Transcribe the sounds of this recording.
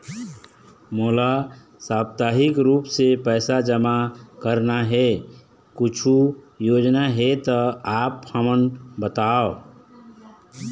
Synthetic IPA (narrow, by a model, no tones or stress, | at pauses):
moːla | saːbt̪aːɦɪkɾuːpsepɛːsad͡ʒəmakəɾnaɦɛ | kʊt͡ʃʰu | joːd͡ʒnaɦɛt̪ɔaːphəmənbət̪aːo